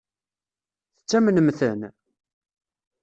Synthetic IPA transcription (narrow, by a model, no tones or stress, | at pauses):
θə̥t͡sːæmənəmθən